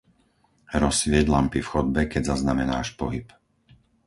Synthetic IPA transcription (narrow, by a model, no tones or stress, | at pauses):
ɾɔsʋɪɛɟlampifxɔd̪̚bɛkɛɟzaznamɛnaːʃpɔɦip